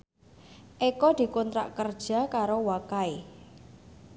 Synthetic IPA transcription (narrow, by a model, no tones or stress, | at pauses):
ʔekɔd̪̥i̤kont̪ɾa̰ʔkərd̥ʒ̥a̤kaɾowakae